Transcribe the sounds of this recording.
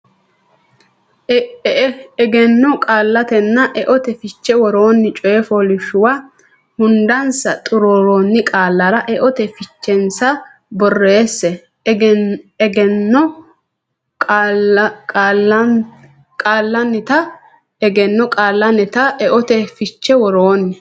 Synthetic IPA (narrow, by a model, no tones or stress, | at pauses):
ɛɡɛnːɔkʼaːlːɐt̪ɛnːɐʔɛʔɔt̪ɛfɪt͡ʃːɛwɔɾoːnːɪt͡ʃʼɔjɛfoːlɪʃʊwa | hʊnd̪ɐnsɐt̪ʼʊɾoːɾoːnːɪkʼaːlːɐɾɐʔɛʔɔt̪ɛfɪt͡ʃːɛnsɐ | bɔrːeːsːɛ | ɡɛnːɔ | kʼː | kʼalɐn | kʼaːlːɐnːɪt̪ɐ | ɛɡɛnːɔkʼaːlːɐnɪt̪ɐɛʔɔt̪ɛfɪt͡ʃːɛwɔɾoːnːɛ